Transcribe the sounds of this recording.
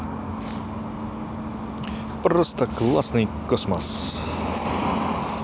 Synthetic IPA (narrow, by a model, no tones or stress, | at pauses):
pɾɔst̪aklˠa̰snikɔsmɔs